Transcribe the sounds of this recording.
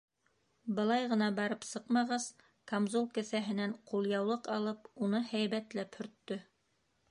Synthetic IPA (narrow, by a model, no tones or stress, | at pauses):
bɤ̆lˠɑjʁɤ̆nɑbɑɾɤpsɤqmɑʁɑz | kamzulˠkɘ̆sæɦɘ̆næɴqulˠjɑwlˠɤqɑlˠɤpunɤhæjβæt̪læphɵ̆ɾt̪ːɵ